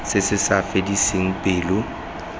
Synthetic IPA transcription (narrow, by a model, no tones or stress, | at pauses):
sɪsɪsafediseŋ̩pʼɪːlʊ